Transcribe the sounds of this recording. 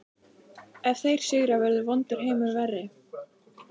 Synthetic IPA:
ɛv̥θejɾ̥sɪɣɾavɛɾðʏvɔnt̪ɪɾ̥ɦejmʏɾvɛrːɪ

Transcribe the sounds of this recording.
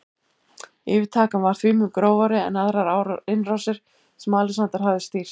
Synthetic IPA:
ɪːvɪt̪ʰaːkanvaɾ̥θvʏːlmʏmkɾoːwvaɾɪɛ̰naðɾaɾawɾɪnrawsɪɾ̥ | sɛmaːlɪsant̪aɾ̥havðɪst̪iːr̥

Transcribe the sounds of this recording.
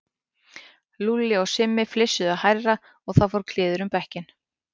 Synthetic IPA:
lulɪɔɣsɪmːɪflɪsːʏðaðhajɾra | ɔɣθawfɔwɾ̥kʰl̥ɪːðʏɾʏmpɛhcɪn

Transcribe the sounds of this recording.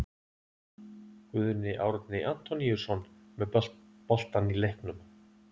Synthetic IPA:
kvʏðʏnɪʔaːwɾat̪nɪʔan̥t̪ɔniuɾ̥sɔnmɛðpɔl̥t̪anilehknʏm

